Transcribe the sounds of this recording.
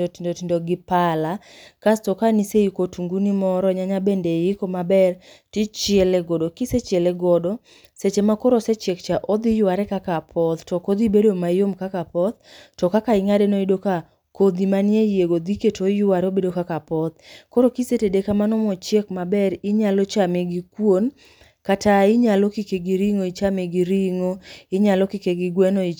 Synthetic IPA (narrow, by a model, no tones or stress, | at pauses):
indotindoɡɪpalakastɔkaniseikotuŋɡunimɔɾɔɲaɲabendejikomabɛr | tit͡ʃɪɛlɛɡɔdokiset͡ʃɪɛlɛɡɔdɔ | set͡ʃemakɔɾoset͡ʃekt͡ʃaʔod̪ijʊwaɾɛkakapʰɔt̪tɔkod̪ibedomajomkakapɔt̪̚tɔkakaɪŋadenoidoka | kod̪imanjejeɡod̪iketojʊaɾeobedokakapɔt̪kɔɾokisetedekamanɔmɔt͡ʃjekmabɛɾɪɲalot͡ʃameɡikwon | kataɪɲalokikeɡiɾiŋoit͡ʃameɡiɾiŋoɪɲalɔkikeɡiɡwɛnoi